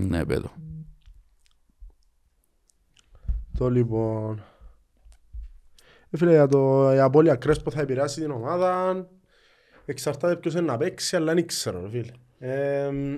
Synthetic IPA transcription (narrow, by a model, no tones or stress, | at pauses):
nḛpḛðo | t̪olibon | efilejat̪̬ojapoljakɾespoθajbiɾasid̪inomaðan | eksaɾt̪aðepkus̬enːapeksjalːanikseɾoɾefile | e